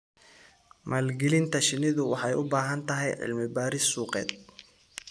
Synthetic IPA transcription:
mʔaːlɡɛlɪnt̪ʰɐʃɪnɪðʊwɑħɑjʊbaːɦɐnt̪ʰɐɦɛjʕɪ̰lmɪbaːɾɪsːuːqɛ̰ːd̪̚

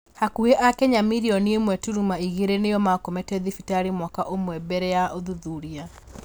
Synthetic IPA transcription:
hakueʔakɛɲamiɾiɔniemwɛtuɾumaiɣeɾenejɔmakomɛtɛðifitaɾimwakaʔomwɛbɛɾɛjaʔoðuðuɾia

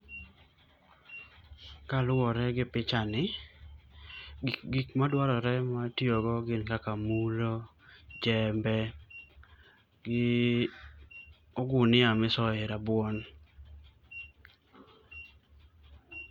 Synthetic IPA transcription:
kalʊɔɾɛɡɪpɪt͡ʃanɪ | ɡikmadwaɾɔɾɛmatjoɡɔɡɪnkakamulo | d͡ʒɛmbɛ | ɡɪ | ɔɡʊnɪamɪsɔɪɾabwɔn

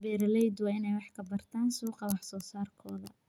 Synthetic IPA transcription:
bɛːɾɐlɛjd̪wɑːɪnɛjwɑħkʰɐbɐrt̪ʰaːnsuːqɑwɑħsɔːsaːrkʰɔːðɐ̰

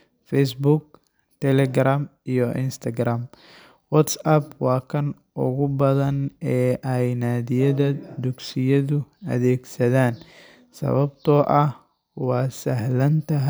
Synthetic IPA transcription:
fɛjs̬buɡ̚ | t̪ʰɛlɛɡɾaːmijɔʔɪnst̪ʰɐɡɾaːm | wɔt̪sɐbwɑːkʰɐn | ʔʊ̰ɣʊbɐðɐnɛːʔɛjnaːðɪjɐðɐd̪ʊɡsɪjɐðʊɐ̰ðɛːɡsɐðaːn | sɐ̰βɐbt̪ʰɔːʔɐh | wɑːsɐɦlɐnt̪ʰɐɦ

